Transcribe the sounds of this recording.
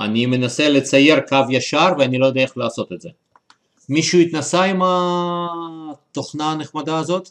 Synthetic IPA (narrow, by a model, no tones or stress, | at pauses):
a̰nime̞naselet͡saje̞ʁkavjaʃaɾveanilo̞jod̪eeχlaːso̞t̪et̪ze | miʃuit̪nasaima | t̪o̞χnaːneχmad̪aːzo̞t̪